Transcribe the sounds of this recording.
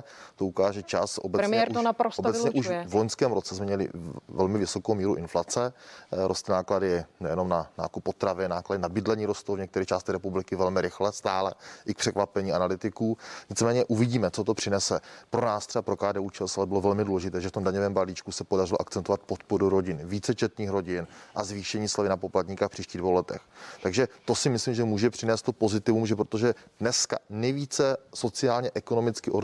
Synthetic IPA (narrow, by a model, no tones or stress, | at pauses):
t̪oukaːʒɛt͡ʃasʔo̰bɛɾɪnapɾosob̪bɛsɲɛʔuʃvloɲskɛːmɾot͡sɛsmɛmɲɛlɪ̰vɛlmɪvɪso̞kowmiːɾuʔɪnflat͡sɛɾost̪naːkladɪnɛjɛno̞mnana̰ːkupːo̞t̪ɾavɪnaːkladɪnabɪdlɛɲiːɾost̪owvɲɛk̚t̪ɛɾiːt͡ʃaːst̪ɛɾɛpublɪkɪvɛlmɪɾɪxlɛst̪aːlɛʔɪk̚pr̥ɛkvapɛɲiːʔanalɪt̪ɪkuːɲɪt͡smɛːɲɛʔuvɪɟiːmɛt͡sot̪o̞pr̥ɪnɛsɛpɾo̞naːst̪r̥ɛbapɾo̞kaːdɛːuːt͡ʃɛlsalɛbɪlo̞vɛlmɪduːlɛʒɪt̪ɛːʒɛft̪omdaɲovɛːmbaliːt͡ʃkusɛpo̞darɪloʔakt͡sɛnt̪ovat̪̚po̞t̪po̞ɾuɾo̞ɟɪnviːt͡sɛt͡ʃɛt̪niːxɾo̞ɟɪnʔazviːʃɛɲiːslavɪnapo̞plat̪ɲikafpr̥iːʃciːɣdvowlɛt̪ɛ̰xt̪aɡʒɛt̪o̞sɪmɪslimʒɛmuːʒɛpr̥ɪnɛːst̪ːopo̞zɪt̪ɪvumʒɛp̬ɾot̪oʒɛdnɛska̰nɛjviːt͡sɛso̞t͡sɪaːlɲɛʔɛko̞no̞mɪt͡skɪʔo